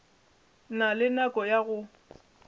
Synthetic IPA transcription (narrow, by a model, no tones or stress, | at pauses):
nalɪnakʼɔjaɣʊ